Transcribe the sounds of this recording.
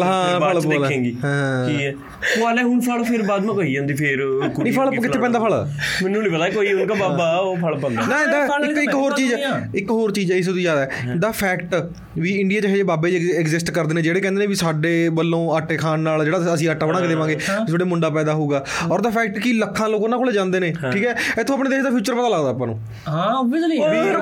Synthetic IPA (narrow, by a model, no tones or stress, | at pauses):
ɦãːəɭːlẽːɡiːɦãːiːɛː | pʊaːlɛːɦʊnpʰəlpʰɪɾbaːd̪mãːkoːiːd͡ʒãːnd̪iːpʰɪɾkʊnə̃ːpʰəɭkɪepɛ̃nd̪aːpʰəɭ | mɛnːũːnĩːpət̪aːɛkoːiʊnkaːbaːbaːpʰəɭpɛ̃ːnd̪anãːd̪aːɪkːɪkːɦoːɾt͡ʃiːd͡ʒɪkɦoːɾt͡ʃiːd͡ʒɛːɪs̬t̪iːzjaːd̪aːɛːd̪aːpʰɛːkʈ | ʋiːɪɳɖijaːt͡ʃəɦeːd͡ʒeːbaːbeːd͡ʒɛkzɪsʈkəɾd̪eːneːd͡ʒeːɽeːkɛ̃ːnd̪eːnẽːʋisaːɖeːbəlːõːaʈːeːkʰaːnːaːld͡ʒeːɽaːəsĩːaʈːaːbəɽ̃ãːɡed̪eːʋãːɡeːsʰoɽeːmʊ̃ɳɖaːpɛːd̪aːɦoːɡaːɔːɾd̪aːpʰɛːk̚ʈkiləkʰːãːloːkːnaːkʰoːleːd͡ʒãːnd̪eːnẽːʈʰiːkɛːɪt̪ʰõːapnẽːd̪eːʃd̪aːpʰjuːt͡ʃəɾpət̪aːləɡd̪aːpãːnṵ̃ː | ɦabɪd͡ʒliʋi